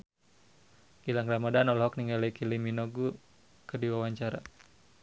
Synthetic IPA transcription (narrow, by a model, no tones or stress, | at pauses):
ɡilaŋkɾamadanɔlɔɦɔkniŋalɛkiliminoɡu | kədiwawaɲt͡ʃaɾa̰